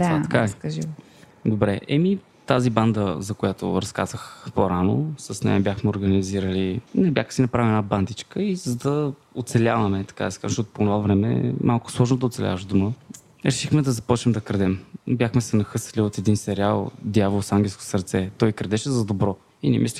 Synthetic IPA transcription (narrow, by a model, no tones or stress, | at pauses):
d̪aakakɐʒi | d̪obɾɛʔɛmi | t̪aziband̪əzɐkojat̪o̰ɾɐska̰zəxpoɾano̰sɐsnɛ̰jɐbʲjaxmɛoɾɡəniziɾəlinɛbʲjaxə̥sinɐpɾaviɛnaband̪it͡ʃkəizɐd̪ɐot̪sɛlʲavɐmɛt̪ɐ̥kad̪ɐsɛ̥kazʃtɔt̪ʊ̥ponovavɾɛmɛ̰mʔalˠkʊ̥slˠɔʒnod̪ɐot̪sɛlʲa̰vəʒd̪umə | ɾɛʃixmɛd̪ɐzɐpɔt͡ʃnɛmd̪ɐkɾd̪ɛmbjaxmɛsɛnɐxɤsə̥liot̪ɛd̪insɛɾialˠd̪javolˠsaŋɡʲɛlˠsko̥səɾt̪sɛt̪ɔjkɾd̪ɛʃɛzɐd̪obɾɔ | inɛ̰mʔisli